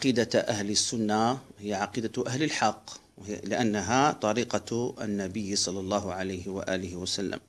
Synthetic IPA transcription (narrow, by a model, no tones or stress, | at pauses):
ʕɑqiːd̪aʔahləsːʊnːahɪjːaʕɑqiːd̪aʔahləlħɑqː | wlɪʔanːaɦat̪ˤɑɾiːqɑ̰nːæbəjːsˤɑlːɑlˤːɑːɦʊʕalajhɪwa̰ʔæːlɪhɪwæsælːə̰m